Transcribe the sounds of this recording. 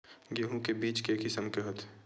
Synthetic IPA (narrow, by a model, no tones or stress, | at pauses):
ɡeɦũkebiːt͡ʃkekɪsəmkeɦot̪ʰ